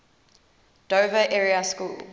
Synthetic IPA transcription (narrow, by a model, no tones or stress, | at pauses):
d̥oːvəʔɛɹiəskṵːl